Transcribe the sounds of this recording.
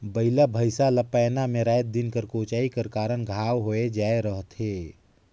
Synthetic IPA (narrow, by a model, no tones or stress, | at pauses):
bəɪlabʱəɪsaləpaːnamẽɾaːjt̪̚d̪ɪnkəɾkoːt͡ʃaːikəɾkaːɾənɡʱaːwɦoed͡ʒaːeɾəɦt̪ʰeː